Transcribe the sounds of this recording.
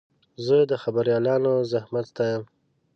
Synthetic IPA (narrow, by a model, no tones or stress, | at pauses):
zəd̪əxabaɾjɑlɑnozahmat̪t̪ajam